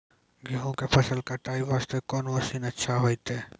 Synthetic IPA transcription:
ɡiɦõkepʰɐsəlkɐɾʈ̪aːiʋaːst̪ekɔːnʋəsinɐtːʃʰaɦoːit̪eː

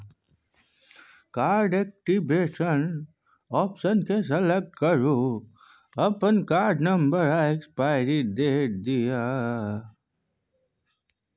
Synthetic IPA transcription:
kaːɾɖek̚ʈibeːʃən | ɔːpʃənkes̬ɐlek̚ʈ̚kəɾu | ɐpənkaːɾɖnəmbəɾaekspaɪɾiʈd̪eːd̪ija

